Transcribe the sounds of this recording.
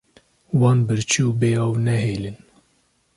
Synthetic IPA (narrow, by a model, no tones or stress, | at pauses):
wɑːnbɨɾt͡ʃʰuːbeːɑwnɛɦeːlɨn